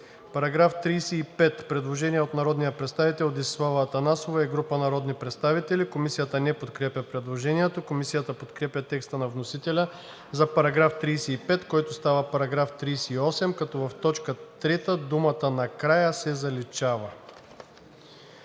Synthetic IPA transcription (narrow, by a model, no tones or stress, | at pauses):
pɐɾɐɡɾaft̪ɾiːsɛːpɛt̪pɾɛd̪lˠoʒɛniɛot̪nɐɾɔd̪nijɐpɾɛt̪st̪avit̪ɛlˠod̪isvavəːt̪ɐnasovaiɡɾupənɐɾɔd̪nipɾɛt̪st̪avit̪ɛlikomisijət̪ənɛpot̪kɾɛpʲəpɾɛd̪lˠoʒɛniɛt̪okomisijət̪əpot̪kɾɛpʲɐt̪ɛkst̪ənɐvnosit̪ɛlʲɐ | zɐpɐɾɐɡɾaft̪ɾiːsɛipɛt̪kɔjt̪ost̪avəpɐɾɐɡɾaft̪ɾisɛiɔsɛmkɐt̪ɔvɐft̪ɔt͡ʃkət̪ɾɛt̪əd̪umət̪ənɐkɾajəsɛzɐlit͡ʃavə